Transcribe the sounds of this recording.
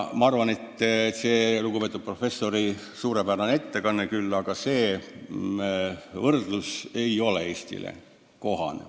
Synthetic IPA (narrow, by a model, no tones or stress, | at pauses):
mɑɑrvɑne̞t̪ːseːluɡupe̞ːt̪ːˑud̪̥̚pro̞fe̞sːo̞ɾi | suːɾe̞pæɾɑnet̪ːe̞kɑnːekylːɑɡ̥ɑse̞ː | vɤrd̪̥luse̞jo̞le̞e̞ːsʲt̪ḭlḛ | ko̞ɦɑ̰nḛ